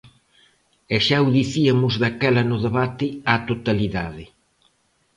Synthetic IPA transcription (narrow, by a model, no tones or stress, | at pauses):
ɛʃawðiθiɐmʊzðakɛlɐnʊðeβat̪ɪat̪ot̪aliðaðɪ